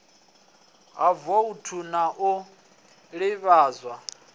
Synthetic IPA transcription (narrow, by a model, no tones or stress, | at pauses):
ɦavɔutʰunaʔu | ɺiβaːzwa